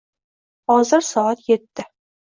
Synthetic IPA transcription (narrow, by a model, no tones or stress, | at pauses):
hɒzɨɾsɒɑt̪jet̪ːɪ